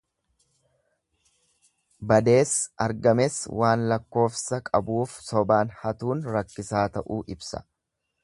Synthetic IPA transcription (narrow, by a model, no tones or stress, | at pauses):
bɐd̪e̞ːsɐɾɡɐmɛswʔaːnlɐkːo̞ːfsɐkʼɐ̰buːfsɔbaːnhɐt̪uːnɾɐkːɪsaːt̪ɐʔuːʔɪbsɐ̥̰